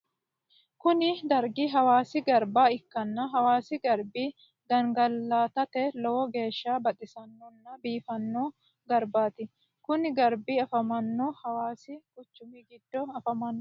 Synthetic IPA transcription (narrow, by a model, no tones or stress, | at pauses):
kʊnɪd̪ɐɾɡɪɦɐwaːsɪɡɐɾbaːɪkːɐnːɐɦɐwaːsɪɡɐɾbiː | ɡɐŋɡɐlːaːt̪ɐt̪ɛlɔːɔɡe̞ːʃːaːbɐt̪ʼɪsɐnːɔnːɐbiːfɐnːoː | ɡɐɾbaːt̪ɪ | kʊnɪɡɐɾbiːɐfɐmɐnːoːhɐwaːsɪkʊt͡ʃːʊmiɡɪd̪̥ːɔɐfɐmɐnːɔ